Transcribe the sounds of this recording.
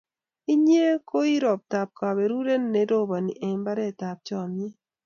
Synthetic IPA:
i˦ɲ˦e˦ko˦i˦ɾɔ˨p̚ta˨p̚ka˨βe˨ɾu˦ɾe˦nː˦e˨˦ɾo˦˨βa˨ni˨ʔe˨˦mba˦ɾɛ˦˨ta˨p̚t͡ʃɔ˨mi˦

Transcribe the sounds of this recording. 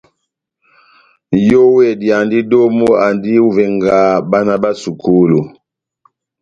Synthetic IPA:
jo˦wɛ˦˨di˨a˨ndi˦do˦mo˦a˨ndi˦u˦vɛ˨ŋɡa˨˦ba˦na˦˨ba˦su˨kʰu˦lu˨

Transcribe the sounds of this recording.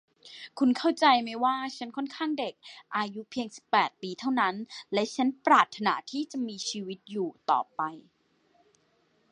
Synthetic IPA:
kʰu˧nkʰa˥˩wt͡ɕa˧jma˦˥jwaː˥˩t͡ɕʰa˦˥nkʰɔ˥˩nkʰaː˥˩ŋde˨˩k̚ʔaː˧ju˦˥pʰi˧əŋsi̥˨˩pːɛː˨˩t̪̚piː˧t̪ʰa˥˩wna˦˥nlɛ˦˥t͡ɕʰa˦˥npɾaː˨˩t̪ʰːa˧na̰˦˥t̪ʰiː˥˩t͡ɕa˨˩miː˧t͡ɕʰiː˧wi˦˥t̪̚juː˨˩t̪ɔ̰ː˨˩pa˧j

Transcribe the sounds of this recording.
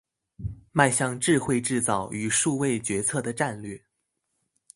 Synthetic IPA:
ma˥˧ɪɕjɑ˥˧ŋʈ͡ʂɻ̩˥˧xwe˥˧ɪʈ͡ʂɻ̩˥˧t͡sɑ˥˩ʊy˨˩ʂu˥˧we˥˩ɪt͡ɕɥɛ˧˥t͡sʰɤ˥˩d̪ə˩ʈ͡ʂa˥˧nlɥɛ˥˩

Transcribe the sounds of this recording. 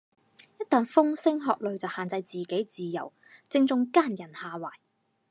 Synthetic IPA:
jɐ˥t̪aː˨ŋfʊ˥ŋsɪ˥ŋɦɔː˨k̚lɵ˨ɥt͡sɐ˨whaː˨˩nt͡sɐ˧jt͡siː˨ke˨˥jt͡siː˨jɐ̰˨˩w | t͡sɪ˧ŋt͡sʊ˧ŋkaː˥njɐ˨˩nhaː˨waː˨˩j

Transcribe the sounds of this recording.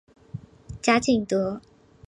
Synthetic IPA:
t͡ɕja˥t͡ɕʰi˥˩ŋt̪ɔ˥

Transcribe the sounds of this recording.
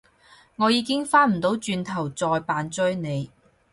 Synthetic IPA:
ŋɔː˨˧jiː˨˧kɪ˥ŋfaː˥nm̩˨˩t̪o˨˥wt͡ʃyː˧nt̪ʰɐ˨˩wt͡sɔː˧jpaː˨˧nt͡sɵ˥ɥne˨˧j

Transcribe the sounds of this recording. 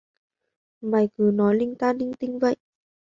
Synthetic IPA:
ɓaː˨˩jkɨ˨˦nɔ˨˦jlï˧ŋt̪aː˧ni˧ŋt̪ï˧ŋvə̰˧˨jʔ

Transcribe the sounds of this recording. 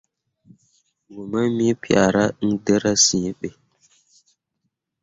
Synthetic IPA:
ɡu˨mə˦mi˦pi˦˨a̰˨ɾa˦n̩˦də˦ɾa˦sĩ˨˦ɓe˨

